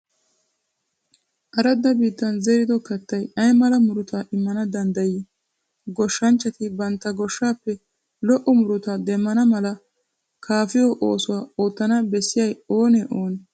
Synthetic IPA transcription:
ʔɐɾɐd̪ːɐbiːt̪ːɐnzɛɾɪd̪ɔkɐt̪ːɐjɐjmɐlɐmʊɾʊt̪aʔɪmːɐnɐd̪ɐnd̪ɐjɪ | ɡɔʃːɐnt͡ʃːɐt̪ɪbɐnt̪ːɐɡɔʃːaːpːɛ | lɔʔɔmʊɾʊt̪ad̪ɛmːɐnɐmɐlɐ | kʰaːfɪjoʔoːsʊwaːoːt̪ːɐnɐbɛsːɪjɐjoːnɛʔoːnɛ

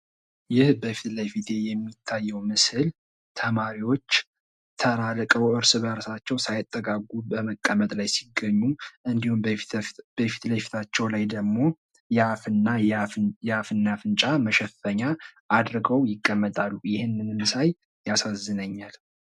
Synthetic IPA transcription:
jɪhbəfit̪ləjfit̪ʰe̞jɛmːit̪ʰːajːɛwmɨsɨl | t̪ʰəmaɾiwo̞t͡ʃː | t̪ʰəɾalkʼəwʔɨɾsɨβəɾsat͡ʃːɛwsajɪt̪ʼːəkʼaɡubəməkʼːəmət̪ʼlajsiɡəɲːuʔɨnd̪ihum | b̥əfi̥t̪ləjfi̥t̪ʰat͡ʃːɛwlajd̪əɡmo̞ | jɛafɨnːajɛafɨnːafɨnt͡ʃʼaməʃɛfəɲːaʔːd̪ɾɡəwjɪkʼːəmːət̪ʼalːujɪhɪnːɨnmɨsaj | jasazːɨnəɲːal

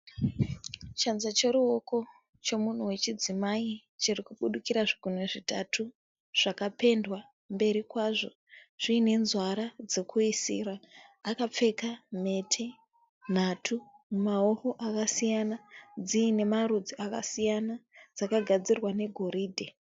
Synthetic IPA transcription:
t͡ʃanzat͡ʃe̞ɾuo̞ko̞ | t͡ʃo̞mun̤uwe̞t͡ʃid͡zimai | t͡ʃirikuɓuɗukiɾaʐiɡuneʐitatʰu | ʐ̥akape̞ndwa | mbe̞ɾikwaʐo̞ | ʐ̥iːne̞nzwaɾad͡ze̞kʰuisḭraːkap͡fe̞kame̞tʰe | n̤atʰumumao̞ho̞ʔakasijanad͡ziːne̞marud͡ziakasijanad͡zakaɡʱad͡zirwane̞ɡʱo̞ɾiːdʱe

